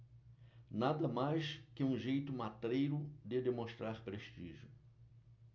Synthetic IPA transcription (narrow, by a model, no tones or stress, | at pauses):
nad̪ɐmajskɪũʒejt̪ʊmat̪ɾejɾʊd̪ɪd̪emõst̪ɾaɾpɾeʃt͡ʃiʒʊ